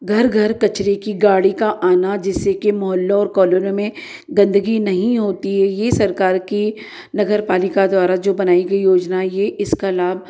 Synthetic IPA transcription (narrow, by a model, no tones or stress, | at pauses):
ɡʱɐɾɡʱɐɾkɐt͡ʃɾekiɡaːɽikaʔaːnad͡ʒɪsekemʊɦəlːõɔːɾkɔːlonõmẽ | ɡɐ̃nd̪əɡinɐɦĩɦoːt̪iɦɛjesɐɾkaːɾki | nɐɡəɾpaːlɪkad̪waːɾad͡ʒoːbɐnaːiɡɐijoːd͡ʒnajeʔɪskɐlaːb̚